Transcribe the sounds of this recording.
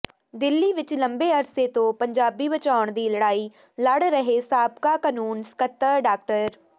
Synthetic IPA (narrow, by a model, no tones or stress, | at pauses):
d̪ɪlːiʋɪt͡ʃlɐ̃mbeɐɾset̪õpɐ̃ɲd͡ʒaːbibɐt͡ʃaːʊɳ̃d̪iːlɐɽaːi | lɐɽɾɐɦesaːbkakənuːnskət̪ːəɾɖaːk̚ʈəɾ